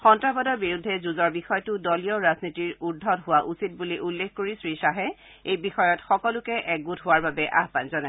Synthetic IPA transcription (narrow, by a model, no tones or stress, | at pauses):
xɔntɹabadɔɹbiɹudʱːɛzuzɔɹbixɔjɔtʊdɔlijɔɹaznitiɹudʱɔtɦʊwaʔusit̚buliʔulːexkoɹisɹisaɦɛ | ejbixɔjɔtxɔkɔlʊkɛʔɛɡutɦʊwaɹbabɛʔa̰ɦpanzɔna